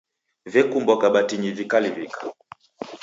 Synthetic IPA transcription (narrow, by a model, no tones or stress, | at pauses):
vɛkumbɔkaɓatiɲivikalivikḁ